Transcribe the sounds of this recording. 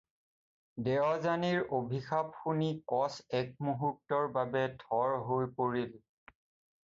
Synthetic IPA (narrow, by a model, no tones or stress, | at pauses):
dɛɔzaniɹobʱixap̚xunikɔsɛk̚muɦutːɔɹbabɛtʰɔɹɦojpoɹil